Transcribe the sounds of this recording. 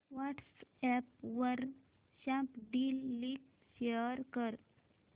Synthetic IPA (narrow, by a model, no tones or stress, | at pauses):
ʋaʈsɛpʋəɾ | ɕãpɖilːik | ɕeəɾkəɾ